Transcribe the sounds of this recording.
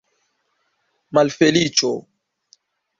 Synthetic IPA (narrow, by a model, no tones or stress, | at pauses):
malfelit͡ʃo